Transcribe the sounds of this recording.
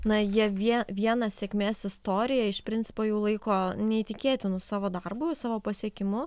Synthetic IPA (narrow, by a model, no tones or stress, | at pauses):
nɐjiɛʋʲiɛʋʲiɛnɐsʲɛkʲmʲeːsɪst̪oːɾʲɪjɛɪʃpʲɾʲɪnʲtt͡s̪ʲɪ̥poːjɛʊlˠɐɪkoːnʲɛit̪ʲɪkʲeːt̪ʲɪnʊsɑːʋoːd̪ɐrbʊsɑːʋoːpɐsʲiɛkʲɪmʊ